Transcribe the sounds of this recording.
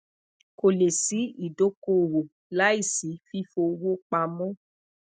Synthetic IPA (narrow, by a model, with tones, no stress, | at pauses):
ko˨le˨si˨˦i˦˨do˨˦ko˦˨wo˨ | la˦i˦˨si˨˦fi˦fo˧wo˦k͡pa˧mɔ̃˦